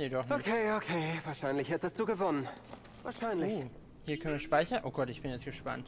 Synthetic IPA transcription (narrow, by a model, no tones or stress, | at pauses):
neːdɔχnokʰeːokʰeːvaːɐʃaɪnlɪçhɛtəst̚d̥uːɡəvɔnən | vaːɐʃaɪnlɪoː | hiːɐkʰœnviɐʃpaɪçɐnʔoːɡɔtɪçb̥ɪnjɛt͡sɡ̥əʃpa̰nt